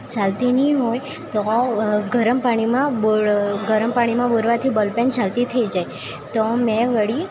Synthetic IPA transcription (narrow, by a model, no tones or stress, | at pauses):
t͡ʃalt̪inĩɦoj | t̪oɡʱəɾəmpaɽ̃imãboɡʱəɾəmpaɽ̃imãboɾʋat̪ʰibəlpent͡ʃʰalt̪it̪ʰəid͡ʒaj | t̪ɔmɛ̃ʋəɽi